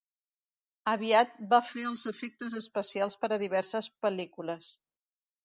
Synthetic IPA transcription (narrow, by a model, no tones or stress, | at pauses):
əβ̞iat̪̚bafeəlˠzəfek̚t̪əzəspəsialˠspəɾəðiβɛɾsəspəlikuləs